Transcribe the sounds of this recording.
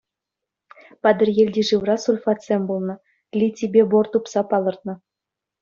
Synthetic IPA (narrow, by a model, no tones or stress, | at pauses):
pɑd̪ɘ̆rʲjelʲd̪ʲiʐiʋrɑsulʲfɑt̪sʲemʲbulˠnɤ̆ | lʲit̪ʲibʲebort̪upsɑpɑlˠɤ̆rt̪̚nɤ̆